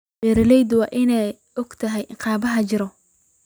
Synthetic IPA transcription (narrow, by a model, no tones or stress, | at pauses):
bɛːɾɪlɛjd̪wɑːʔɪnɛj | ɔɡt̪ʰɐɦɛjʔɪqɑːbɐɦɐt͡ʃɪɾɔ